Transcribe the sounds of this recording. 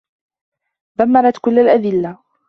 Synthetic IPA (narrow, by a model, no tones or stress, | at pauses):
ðamːɑɾˤɑt̪kʊlːalʔad̪ɪlːa